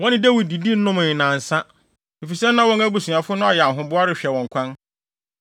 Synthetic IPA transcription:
wɔ̃˦nɪ̃˦de˦wi˨d̚di˨di˦n̩˦nʊ̃˦mʊ̃˨ɪ˨nã˨n̩˨sa˦ | e˨fi˨sɛ˦nã˦wɔ̃˦ŋæ˦bu˨˦sũ˨a˨fʊ˦nʊ̃˦a˨jɛ˨a˨ɦʊ̃˦bʊ˦a˦ɾɪ˨ɕᶣɛ˨wɔ̃˨ŋ˨kʰã˦n

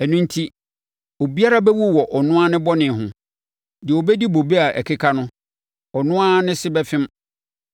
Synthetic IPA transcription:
æ˨nũ˦n˦tʰi˦ | o˨bi˦a˦ɾa˦bɛ˦wu˦˨wɔ˨ʔɔ˨nʊ̃˦a˦nɪ̃˦bɔ˦nɪ̃˨ɦʊ̃˨ | dɪ˨o˨bɛ˦di˦bo˨be˦a˨ʔæ̰˨kʰe˦kʰa˦nʊ̃˦ | ɔ˨nʊ̃˦a˦nɪ̃˦sɪ˦bɛ˦fɪ̃˦m

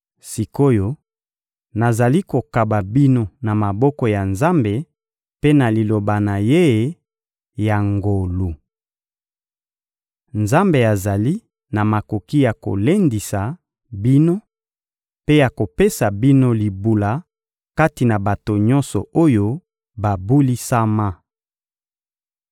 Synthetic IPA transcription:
si˨ko˦jo˦ | na˨za˨li˦ko˨ka˨ba˨bi˦no˦na˨ma˨bɔ˦kɔ˨ja˨nza˦mbe˨ | pe˦na˨li˨lo˨ba˨na˨je˦ | ja˨ŋɡo˨lu˨ | nza˦mbe˨a˨za˨li˦ | na˨ma˨ko˨ki˦ja˨ko̰˨le˦ndi˨sa˨ | bi˦no˦ | pe˦ja˨ko˨pe˦sa˨bi˦no˦li˨bu˨la˨ | ka˦ti˨na˨ba˨to˨ɲɔ̃˦nsɔ˨o˦jo˦ | ba˨bu˦li˦sa˦ma˦

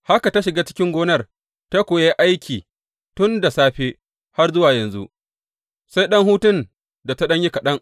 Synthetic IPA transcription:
ha˦ka˨ta˦ʃɪ˨ɡaː˦t͡ʃɪ˦kʲɪ˦ŋɡʷoː˦nɐ˦r | ta˦kʷoː˨je˦ʔa˦jkʲʰiː˨ | tʊ˦nda˨saː˦ɸeː˦ | ha˦rzʊ˦waː˨jɐ˨nzṵ˦ʔ | sa˦jɗɐ˦ŋɦuː˦tɪ˦n | da˨ta˦ɗɐ˦ɲji˦ka˨ɗɐ˦ŋ

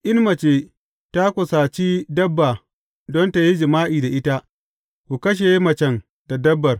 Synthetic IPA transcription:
ʔɪ˦nmɐ˨t͡ʃeː˨ | ta˦kʷʊ˨sa˨t͡ʃi˦dɐ˦bːa˨ | dɔ˦nta˨ji˦d͡ʒɪ˨maː˦ʔiː˨da˨ʔɪ˦ta˦ | kʷu˨kɐ˦ʃ̬e˨˦mɐ˨t͡ʃɛ˨ŋ | d̥a˨dɐ˦bːɐ˨r

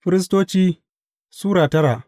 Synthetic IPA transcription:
ɸɪ˦ɾɪ˦s̬toː˦t͡ʃiː˦ | suː˦ɽaː˨tɐ˦ɾa˨ʔ

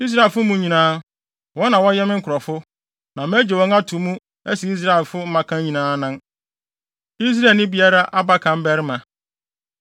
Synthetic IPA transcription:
i˦s̬ɾa˦˨ɛ˨fʊ˦mũ˦ɲĩ˨nãː˦ | wɔ̃˦nã˨wɔ̃˦jɛ˦mɪ̃˦ŋ̩˦kʰʊ˨ɾɔ˨fʊ˦ | nã˨m˦æ˦d͡ʑe˨wɔ̃˦ŋa˦tʰu˨˦mũ˦ | æ˦si˨i˦s̬ɾa˦ɛ˨lfʊ˦m̩˦mã˨kʰã˦ɲĩ˨nãː˦nã˦n | i˦s̬ɾa˦˨nɪ̃˦bi˨˦a˦ɾa˦ʔa˦ba˦kʰã˨m̩˦bɛ˦ɾɪ˦mã˨

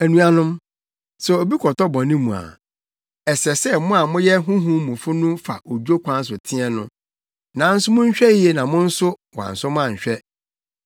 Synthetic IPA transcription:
æ˨nũ˨a˨nʊ̃˦m | sɛ˨o˨bi˦kʰɔ˨tʰɔ˦bɔ̃˨nĩ˦mũ˨a̰˨ | ɛ˨sɛ˨sɛ˦mʊ̃˦a˨mʊ̃˦jɛ˦ɦʊ̃˦ɦũ˦mũ˨fʊ˦nʊ̃˦fa̰˨ʔo˨d͡ʑᶣo˦kʰʷã˦n̩˦s̬ʊ˨tʰɪ̃˦ɛ˦˨nʊ̰̃˦ | nã˨˦n̩˦sʊ˦mʊ̃˦ɲ̩˦ɕᶣɛ˦i˦ɛ˨nã˨mʊ̃˦n̩˦sʊ˦wã̰˨n̩˨sʊ˦mʊ̃˦ã˨ɲ̩˨ɕᶣɛ˦

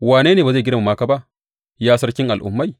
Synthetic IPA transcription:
waː˨neː˦neː˨baː˨za˦˨ɡɪ˦da˨mu˨maː˦ka˦ba˦ʔ | jaː˦sɐ˦ɾkʲɪ˦ŋʔa˨lʔʊ̰˨mːa˦˨j

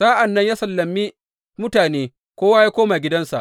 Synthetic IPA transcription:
saː˦ʔa˨nːɐ˦ɲjaː˦sɐ˨lːɐ˨mːi˦ | mʊ˦taː˨neː˦ | kʷoː˦wa˦jaː˦kʷoː˦maː˨ɡʲɪ˦dɐ˦nsa̰˨ʔ

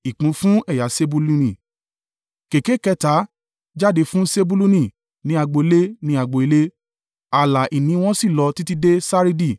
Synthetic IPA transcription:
i˨k͡pũ˨˦fũ˦ɛ˦˨ja˨˦se˦bu˧lu˧nĩ˨ | ke˨ke˨˦kɛ˧ta˨˦ | d͡ʒa˦de˧˦fũ˦se˦bu˧lu˦nĩ˦˨ | nĩ˨˦a˧ɡ͡bo˧e˧˦le˦nĩ˦a˧ɡ͡bo˧i˧le˦ | a˨la˨ʔi˨nĩ˨˧˦w̃ɔ̃˦si˦˨lɔ˧ti˦ti˦de˦sa˦ɾi˦di˦˨

